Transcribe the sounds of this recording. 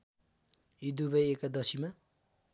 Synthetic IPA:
id̪ubʌjekad̪ʌsima

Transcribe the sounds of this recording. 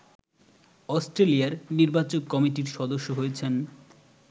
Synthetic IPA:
ɔsʈɾelijaɾniɾbat͡ɕoɡ̚kɔmiʈiɾʃɔd̪oʃːoɦojet͡ɕʰen

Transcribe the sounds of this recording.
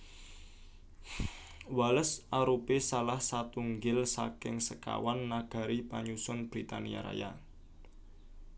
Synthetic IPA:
waləsaɾupesalahsat̪uŋɡɪlsa̰kɪŋsəka̰wanːaɡ̥a̤ɾipaɲusʊnb̥ɾit̪a̰nia̰ɾa̰ja̰

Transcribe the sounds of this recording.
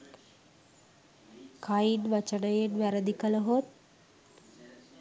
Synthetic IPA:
kʰajinʋat͡ʃəɽəjenʋæɾəd̪ikələɦot̪̚

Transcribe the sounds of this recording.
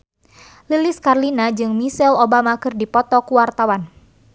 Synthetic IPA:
lilɪskarlinad͡ʒɨŋmisɛlobamakɨrdipɔt̪ɔkuwart̪awan

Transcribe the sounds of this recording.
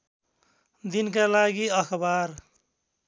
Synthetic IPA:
d̪inkalaɡiʌkʰbaɾ

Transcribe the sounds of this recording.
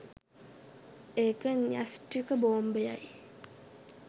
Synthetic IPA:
ekəɲasʈikəboːmbəja̰j

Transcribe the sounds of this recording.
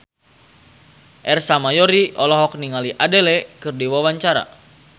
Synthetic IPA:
ʔɛrsamajɔɾiʔɔlɔɦɔk̚niŋaliʔadɛlɛkɨrdiwawaɲt͡ʃaɾa̰

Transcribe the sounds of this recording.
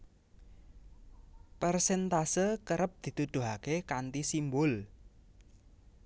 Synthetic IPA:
pərsɛnt̪asəkəɾəp̚d̪̥i̤t̪ud̪̥ṳɦakekant̪isimbʊl

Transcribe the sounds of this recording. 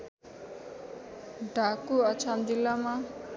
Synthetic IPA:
ɖʱakuʌt͡sʰand͡zilːama

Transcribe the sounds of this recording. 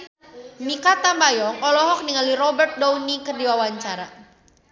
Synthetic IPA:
mikat̪ambajɔŋɔlɔɦɔk̚niŋaliɾɔbɛrt̪̚dɔwnikərdiwawaɲt͡ʃaɾa

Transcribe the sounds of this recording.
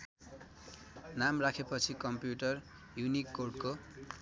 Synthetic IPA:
namrakʰepʌt͡sʰikʌmpjuʈʌr | junikːorɖko

